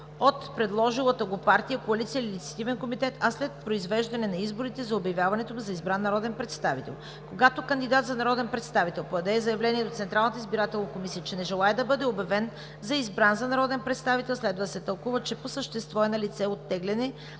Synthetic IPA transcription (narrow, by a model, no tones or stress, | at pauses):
ot̪pɾɛd̪lˠɔʒilˠət̪əɡopaɾt̪ijəkoɐlit̪sijəlilʲit̪sɐ̥t̪ivɛnkomit̪ɛt̪ʰɐslɛt̪̚pɾoizvɛʒd̪ɐnɛnɐizboɾit̪ɛzɐobjɐvjavɐnɛt̪omuzɐizbɾanːɐɾɔd̪ɛnpɾɛt̪st̪avit̪ɛ̰lˠ | koɡat̪okənd̪id̪at̪zɐnɐɾɔd̪ɛnpɾɛt̪st̪avit̪ɛlˠpoɐd̪ɛzɐjɐvlɛniɛd̪ot̪sɛnt̪ɾalˠnət̪əizbiɾat̪ɛlˠnɐkomisijət͡ʃɛnɛʒɛlˠaɛd̪ɐbɤd̪ɛobjɐvɛn | zɐizbɾanzɐnɐɾɔd̪ɛnpɾɛt̪st̪avit̪ɛlˠslɛd̪vəd̪sɛt̪əlˠkuvət͡ʃɛposəʃt̪ɛst̪vɔɛnɐlit̪sɛot̪ːɛɡlɛnɛ